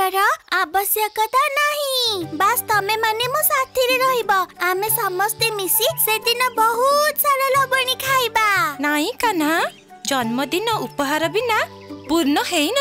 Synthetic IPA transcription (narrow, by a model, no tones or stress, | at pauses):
ɔɾɔabɔsjɔkɔt̪anaɦĩbast̪ɔmemanemɔsat̪ʰiɾeɾɔɦibɔamesamɔst̪emisised̪inɔbɔɦut̪saɾɔlɔbɔɽ̃ikʰajbanaɦĩkana | d͡ʒɔnmɔd̪inɔupɔɦaɾɔbina | puɾnɔhejn